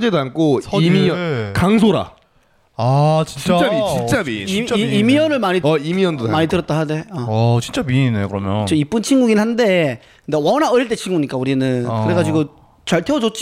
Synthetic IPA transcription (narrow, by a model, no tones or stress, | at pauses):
d͡ʑedoankʰoimiʌkaŋs̬ʰoɾa̰ | at͡ɕiit͡ɕamit͡ɕint͡ɕ͈amiimijʌnɯɭmaɲiimiʌndomaɲittɯɾʌt͈̚aɦade̞at͡ɕint͡ɕ͈aminekɯɾʌmjʌnt͡ɕ͈ʌip͈ɯnt͡ɕʰinɡuɡinhande̞ | kɯndewʌnaɯɾiɭt͈e̞t͡ɕʰinɡuɲik͈auɾinɯnkɯɾe̞ɡad͡ʑiɡo | t͡ɕʌɭtʰewʌd͡ʑot͡ɕ͈i